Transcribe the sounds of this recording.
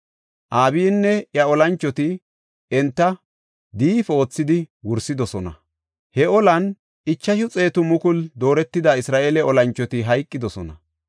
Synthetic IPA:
ʔaːbɪjnːɛjɐɔlɐnt͡ʃːɔt̪ɪ | ɛnt̪ːɐ | d̪iːfo̞ːt͡sːɪd̪ɪwʊɾsɪd̪ɔsɔnɐ | hɛɔlɐn | ɪt͡ʃːɐʃʊt͡sʼe̞ːt̪ʊmʊkʊld̪o̞ːɾɛt̪ːɪd̪aːɪsɾaːʔeːlɛɔlɐnt͡ʃːɔt̪ɪɦɐjkʼːɪd̪ɔsɔnɐ

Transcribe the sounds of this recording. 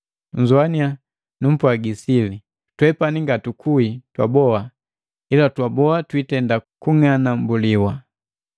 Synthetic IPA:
ɲ̩d͡ʒuania | num̩pwaɡisili | twɛpaniŋɡatukʰuitwa̰bɔa | ilatwabɔatwitɛndakuŋanambuliwa

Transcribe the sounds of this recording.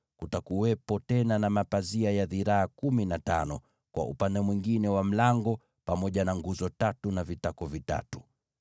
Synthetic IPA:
kutakuwɛpɔtɛnanamapaziajaðiɾaːkuminata̰nɔ | kwa̰ṵpandɛmwiŋɡinɛwam̩laŋɡɔ | pamɔʄanaŋɡuzɔtatunavitakɔvita̰tu̥

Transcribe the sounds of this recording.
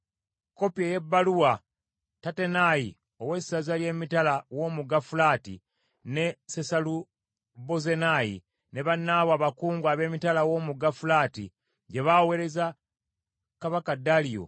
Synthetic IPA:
ko̞pjeje̞bːaluwa | tate̞naji | o̞we̞sazalje̞ːmitalawo̞ːmuɡafulaːtḭ | ne̞sesalu | boze̞najḭ | ne̞βanːaβwaːβakuːŋɡwaβe̞ːmitalawo̞muɡafulaːtḭ | ɟe̞βawe̞ɾe̞za | kaβakadalijo̰

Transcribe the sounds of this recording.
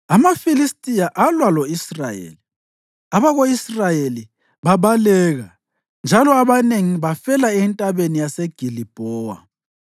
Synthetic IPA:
amafilistʼijaʔalwaloisrajḛli | aβaɣoisrajeli | βaβalɛɣa | nd͡ʒʱalɔaβaneŋiβafɛlaɛntʼaβenijaseɡ̥ʱilib̥ʱɔːwa̰

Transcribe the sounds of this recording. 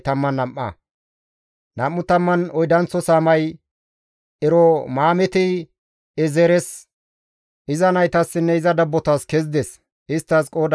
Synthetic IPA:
t̪ɐmːɐnːɐmʔːɐ̰ | nɐmːʊt̪ɐmːɐnɔjd̪ɐnt͡sːɔsaːmɐj | ɛɾɔmaːmɛt̪ɪ | ɛzɛɾɛs | ɪzɐnɐjt̪ɐsːɪnːɛɪzɐd̪ɐbːɔt̪askɛzd̪ɛs | ʔɪst̪ːɐskʼoːd̪

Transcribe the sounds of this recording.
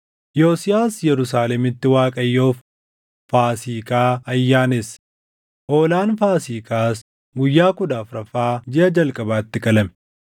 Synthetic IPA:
jo̞ːsɪjaːsjɛɾʊsaːlɛmɪt̪ːɪwaːkʼɐjːo̞ːf | faːsiːkaːɐjːaːnes | ʔoːlaːnfaːsiːkaːs | ɡʊjːaːkʊd̪aːfɾɐfaːd͡ʒɪɐd͡ʒɐlkʼɐbaːt̪ːɪkʼɐlɐmɛ

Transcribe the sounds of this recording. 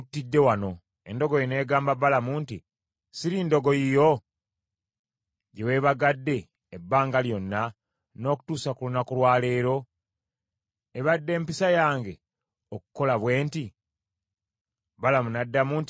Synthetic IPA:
tːidːe̞wano̞ | endo̞ɡojine̞ːɡaːmbabalamunti | siɾindo̞ɡo̞jijo̞ | ɟewe̞ːβaɡadːe̞ː | bːaːŋɡaljo̞nːa | no̞ːku̥tuːsakulunakulwaːle̞ːɾo̞ | eβadːe̞ːmpisajaːŋɡe̞ | okuko̞laβwe̞ːnti | balamunadːamunti

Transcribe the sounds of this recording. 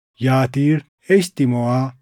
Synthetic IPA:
jaːt̪iːɾ | eɕt̪imowa

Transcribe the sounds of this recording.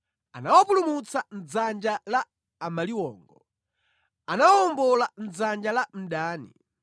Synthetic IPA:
anawapulumut͡san̩d͡zand͡ʒalaː | maliwɔːŋɡɔ | anawɔɔmbɔlan̩d͡zand͡ʒalam̩ɗaːnḭ

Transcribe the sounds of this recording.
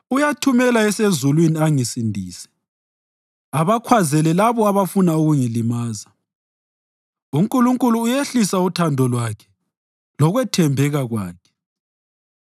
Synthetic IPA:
ujatʰumɛlaɛsezulwiniaŋisindʱiːsɛ̥ | aβakʰwazɛlɛlaβɔaβafunauɣuŋilimaːza | uŋkʼuluŋkʼuluːjeɬisautʰandʱɔlwakʰɛ̥ | lɔɣwɛtʰɛmbʱɛɣaɣwa̰ːkʰɛ̥

